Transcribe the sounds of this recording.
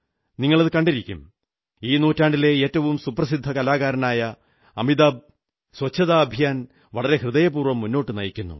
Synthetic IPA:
niŋːɐɭɐðɨkɐɳɖiɾikʲːṵm | iːnuːtːaːɳɖile̞eːtːɐʋumsuprɐsid̪ʱːɐkɐlaːɣaːɾɐnaːjɐ | ɐmid̪aːb̚ | swɐt͡ɕʰːɐðaːɐbʱijaːn | ʋɐɭɐɾe̞hrɨðɐjɐpuːrʋɐmːunːo̞ːʈːɨnɐjikʲːunːṵ

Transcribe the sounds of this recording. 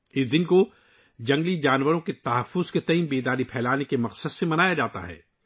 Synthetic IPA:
ɪsd̪ɪnko | d͡ʒɐ̃ŋɡlid͡ʒaːnwəɾõket̪ɐɦəfːʊz̥ket̪ɐimbeːd̪aːɾipʰɛːlaːnekemɐqsəd̪semɐnaːjad͡ʒaːt̪a̰ɦɛ̰ː

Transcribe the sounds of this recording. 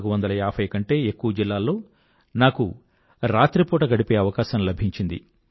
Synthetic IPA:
ɡuʋɐnd̪ɐlɐjaːpʰɐjkɐɳʈe̞ːekːuʋɐd͡ʒilːaːlːo̞ː | naːku | ɾaːt̪ɾipɔːʈɐɡɐɽipeːɐʋɐkaːʃɐmlɐbʱiɲt͡ʃind̪ḭ

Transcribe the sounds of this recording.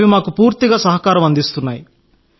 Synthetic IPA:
ʋimaːkupuːɾt̪iɡaːsɐɦɐkaːɾɐmɐnd̪ist̪unːaːji

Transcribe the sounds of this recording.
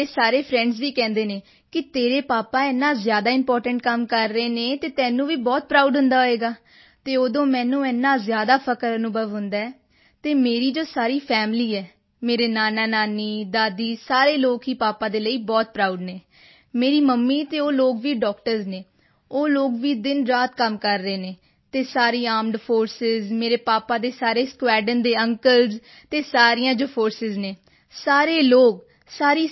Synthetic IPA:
eːsaːɾeːpʰɾɛ̃ːɳɖzʋiːkɛ̃ːnd̪eːneː | kɪt̪eːɾeːpaːpaːɛːnːãːzjaːd̪aːɪmpɔːɾʈəɳʈkəmkəɾːəeːneːt̪eːt̪ɛːnũːʋiːbɔːt̪̚pɾaːuɖɦʊ̃nd̪aːɦoeːɡaː | t̪eːoːd̪õːmɛ̃ːnũːɛːnːãːzjaːd̪aːpʰəkəɾənʊbəʋɦʊ̃nd̪aːɛː | t̪eːmeːɾiːd͡ʒoːsaːɾiːpʰɛːmliːɛː | meːɾeːnaːnaːnaːniːd̪aːd̪iːsaːɾeːloːkɦiːpaːpãːd̪eːləiːbɔːt̪̚pɾaːuɖneː | meːɾiːməmːiːt̪eːoːloːɡʋiːɖɔːk̚ʈəɾzneː | oːloːɡʋiːd̪ɪnɾaːt̪kəmkəɾːəeːneː | t̪eːsaːɾiːaːmɖpʰoːɾsɪzmeːɾeːpaːpãːd̪eːsaːɾeːskwɛːɖənd̪eːəŋkəlz | t̪eːsaːɾiːjãːd͡ʒoːpʰoːɾsɪzneː | saːɾeːloːɡ | saːɾiː

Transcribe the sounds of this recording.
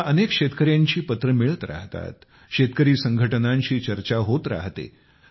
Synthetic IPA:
ənekɕet̪kəɾjaɲt͡ɕiːpət̪ɾəmiɭət̪ɾa̰ɦt̪a̰t̪ | ɕet̪̚kəɾiːsəŋɡʱəʈənãɲt͡ɕiːt͡ɕəɾt͡ɕaɦot̪ɾa̰ɦt̪ḛ

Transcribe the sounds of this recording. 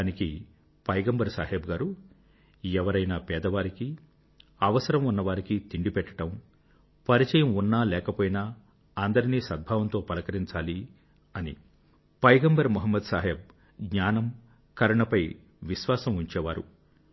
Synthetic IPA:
aːniki | pɐjɡɐmbɐɾsaːɦeːbɡaːɾu | ɛʋɐɾɐjnapɛːd̪ɐʋaːɾiki | ɐʋɐsɐɾɐmunːɐʋaːɾikit̪iɳɖipɛʈːɐ̥ʈɐm | pɐɾit͡ʃɐjɐmunːaːlɛːkɐpoːjina | ɐnd̪ɐɾiniːsɐd̪̚bʱaːʋɐnt̪o̞ːpɐlɐkɐɾiɲt͡ʃaːli | ɐnḭ | pɐjɡɐmbɐɾmuɦɐmːɐd̪saːɦeːb̚ | ɡɲaːnɐm | kɐɾɐɳɐpɐj | ʋiʃʋaːsɐmuɲt͡ʃɛːʋaːɾṵ

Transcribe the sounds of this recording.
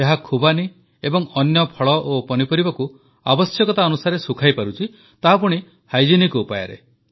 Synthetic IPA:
eɦakʰubani | ebɔŋɔnjɔpʰɔɭɔʔopɔnipɔɾibɔku | abɔsjɔkɔt̪aɔnusaɾesukʰajpaɾut͡ʃʰi | t̪aɦapuɽ̃i | hajd͡ʒinikuːpaja̰ɾḛ

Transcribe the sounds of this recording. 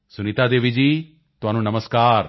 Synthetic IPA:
sʊniːt̪aːd̪eːʋɪd͡ʒiː | t̪ʊɦaːnũːnəməskaːɾ

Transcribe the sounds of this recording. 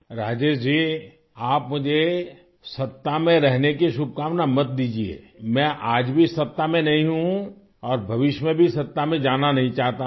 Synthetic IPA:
ɾaːd͡ʒeːʃd͡ʒiː | aːpmʊd͡ʒʱe | sɐt̪ːamẽɾɛɦnekiʃʊb̚kaːmnamɐt̪̚d̪iːd͡ʒiḛ | mɛ̃ʔaːd͡ʒbʱisɐt̪ːamẽnɐɦĩɦũ | ɔːɾbʱɐʋɪʃmẽbʱisɐt̪ːamẽd͡ʒaːnanɐɦĩt͡ʃaːɦt̪a

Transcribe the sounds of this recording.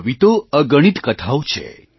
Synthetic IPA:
ʋit̪oəɡəɽ̃it̪kət̪ʰawt͡ʃʰḛ

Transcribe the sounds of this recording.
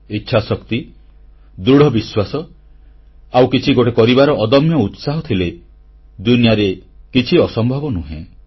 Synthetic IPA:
itːʃʰasɔkt̪i | d̪ɾuɽ̤ʱɔbiswasɔ | awkit͡ʃʰiɡoʈekɔɾibaɾɔʔɔd̪ɔmjɔut̪saɦɔt̪ʰile | d̪unijaɾekit͡ʃʰiɔsɔmbʱɔbɔnuɦḛ̃

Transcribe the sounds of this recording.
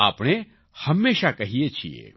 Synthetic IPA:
a̰ːpɽ̃e | hɐmːeːʃakɐɦijet͡ʃʰiḛ

